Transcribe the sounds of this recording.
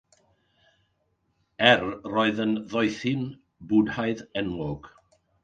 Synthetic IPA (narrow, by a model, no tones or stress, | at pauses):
ɛrroːɨðənðɔjθɪn | bʊdhaɨðɛnlˠɔɡ̥